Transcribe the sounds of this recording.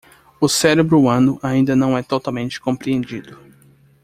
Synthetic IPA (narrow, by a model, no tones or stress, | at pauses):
ʊsɛɾebɾʊɐ̃nʊʔaĩnd̪ɐnɐ̃w̃ɛt̪ot̪awmẽnt͡ʃɪ̥kõpɾiẽnd͡ʒid̪ʊ